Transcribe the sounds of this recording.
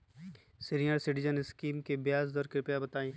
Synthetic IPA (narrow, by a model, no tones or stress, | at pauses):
sɪɾijəɾsɪʈɪd͡ʒənɪskiːmkebjaːsd̪ɔːɾkɾɪpjabɐt̪aːẽː